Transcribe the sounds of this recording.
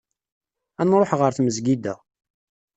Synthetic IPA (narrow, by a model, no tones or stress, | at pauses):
ænɾˤoħʁəɾθməzɡid̪æ̰